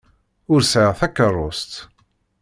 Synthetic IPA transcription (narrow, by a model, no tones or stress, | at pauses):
ʊɾsʕəʁθækːərˤːost̪